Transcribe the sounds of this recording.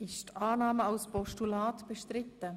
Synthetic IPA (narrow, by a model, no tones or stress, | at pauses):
ɪʃtɑːnɑːməɑwspɔʃtulɑːt̪b̥əʃtɾɪtːə